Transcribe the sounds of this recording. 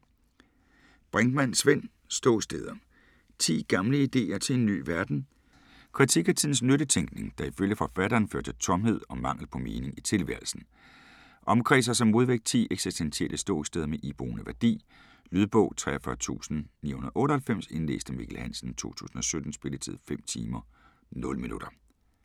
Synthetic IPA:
b̥ʁaŋɡ̥mænsʋen̰ | sd̥ɔ̰ːsd̥eð̞ˠɐ | t͡sʰḭːɡ̥ɑ̈mləid̥e̝̰ːɐt͡sʰe̝e̝nːy̰ːʋæɐd̥n̩ | kʰʁit͡sʰiɡ̥æt͡sʰiðˠn̩snøɾət͡sʰeŋɡ̥ne̝ŋd̥ɑ̈iføljəfɒ̽fæɾɐːnfø̰ɐt͡sʰe̝lt͡sʰɒ̽mhe̝ð̞̰ˠɒ̽mɑ̈ŋ̰l̩pʰɒ̽meːne̝ŋit͡sʰe̝lʋæɐlsn̩ | ʔɒ̽mkʰʁɛsɐsɒ̽mːo̝ð̞ˠʋeɡ̥̚t͡sʰḭːeɡ̥sisd̥ensielʔəsd̥ɔ̰ːsd̥eð̞ˠɐmeʔib̥ʁṵːnəʋæɐd̥ḭː | lyð̞ˠb̥ɔʊ̰t͡sʰʁɛ̰ɐfɶɐt͡sʰṵːsn̩nḭːhunðˠʔɔ̽ːɾɐhælfem̰se̝nlḛːsd̥əmḭɡ̥ʰelhæn̰sn̩t͡sʰo̝̰ːt͡sʰṵːsn̩ɒ̽sød̥n̩sb̥e̝lət͡sʰið̰ˠfem̰t͡sʰḭːmɐ | nɔ̽ləminuɾ̥ɐ

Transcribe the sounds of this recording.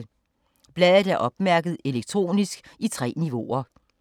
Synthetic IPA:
b̥lɛðˠð̩ˠæɐʔɒ̽b̥mæɐɡ̥əð̩ˠe̝leɡ̥̚t͡sʰʁo̝̰ːnisɡ̥it͡sʰʁɛ̰ːniʋo̝ɐ

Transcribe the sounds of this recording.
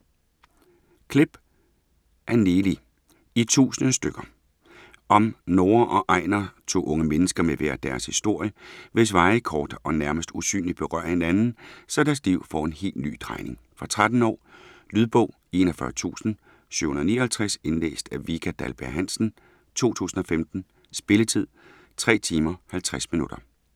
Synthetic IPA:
kʰle̝b̥ | ʔæɐneːli | it͡sʰṵːsənəsd̥øɡ̥ɐ | ʔɒ̽mnoːɐʔɒ̽ʔɑ̈ɪ̰nɐt͡sʰo̝̰ːʔɔ̽ŋəmenəsɡ̥ɐmeʋḛɐd̥æɐshisd̥o̝ɐ̰jəʋe̝s̬ʋɑ̈ɪkʰɒːd̥ɒ̽næɐməsd̥usy̰ːnlid̥̚b̥e̝ʁɶ̰ɐ̰he̝nænn̩sɒ̽d̥æɐsliʊ̰fɒ̰ːe̝nhe̝̰ld̥ny̰ːt͡sʰʁɑ̈ɪne̝ŋfɒt͡sʰʁad̥n̩ɒ̰ːlyːðˠb̥ɔ̽ʊ | e̝nɒfɶɐt͡sʰṵːsn̩ | sy̰ʊhunɐðˠniːɐhælt͡sʰʁasenlḛːsd̥æʋikʰæd̥ælb̥æɐɦæn̰sn̩ | t͡sʰo̝̰ːt͡sʰṵːsn̩ɒ̽femd̥n̩ | sb̥e̝lət͡sʰið̞̰ˠ | t͡sʰʁɛ̰ːt͡sʰiːmɐhælt͡sʰʁasminud̥ɐ

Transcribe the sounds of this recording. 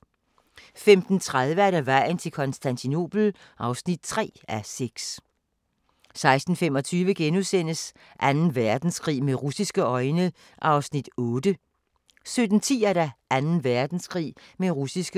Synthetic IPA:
femd̥n̩t͡sʰʁaðˠʋəæɐɾæʋɑɪ̰n̩t͡sʰe̝lkʰɒ̽nsd̥ænt͡sʰino̝̰b̥l̩ʔɑ̈ʊsnid̥̚t͡sʰʁɛ̰ːæseɡ̥s | sɑ̈ɪsd̥n̩fem̰ɒ̽t͡sʰyːʋəɡ̥enusen̰əs | ʔænn̩ʋæɐd̥n̩sɡ̥ʁḭːmeʁusisɡ̥əɒ̽ɪnə | ʔɑ̈ʊsnid̥ɔ̽ːd̥ə | sød̥n̩t͡sʰḭːæɐɾæʔænn̩ʋæɐd̥n̩skʁḭːmeʁusisɡ̥ə

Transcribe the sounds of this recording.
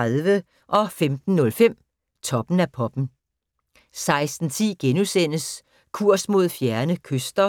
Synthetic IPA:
aðˠʋə | ʔɒ̽femd̥n̩ːɔ̽lfem̰ | t͡sʰɒ̽b̥n̩æpʰɒ̽b̥n̩ | sɑ̈ɪsd̥n̩t͡sʰḭːɡ̥enusen̰əs | kʰuɐ̰smo̝ð̰ˠfjæɐnəkʰøsd̥ɐ

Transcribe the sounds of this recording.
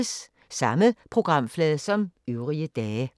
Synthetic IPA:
s | sɑ̈məpʰʁoɡ̥ʁɑ̈mflɛːðˠsɒ̽møʊʁiəd̥ɛː

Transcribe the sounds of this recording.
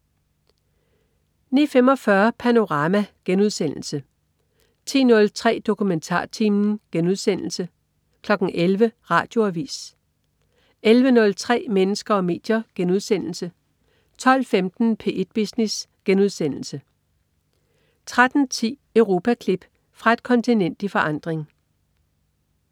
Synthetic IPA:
nḭːfemɒ̽fɶɐpʰæno̝ʁɑ̈ːmæɡ̥enuð̞ˠsen̰l̩sə | t͡sʰḭːnɔ̽lt͡sʰʁɛ̰ːd̥o̝kʰument͡sʰɑ̰̈ːt͡sʰimn̩ɡ̥enuðˠsen̰l̩sə | kʰlɒ̽ɡ̥n̩ʔelʋəʁɑ̈ːd̥jo̝æʋḭːs | elʋənɔ̽lt͡sʰʁɛ̰ːmenəsɡ̥ɐɒ̽me̝̰ːd̥jɐɡ̥enuð̞ˠsen̰l̩sə | t͡sʰɒ̽l̰femd̥n̩pʰe̝̰ːʔed̥̚b̥isnisɡ̥enuð̞̰ˠsen̰l̩sə | t͡sʰʁad̥n̩t͡sʰḭːœʊʁo̝ːpʰækʰlib̥ | fʁɑ̈e̝d̥kʰɒ̽nt͡sʰinen̰d̥ifɒ̽ʔɑ̈n̰d̥ʁeŋ

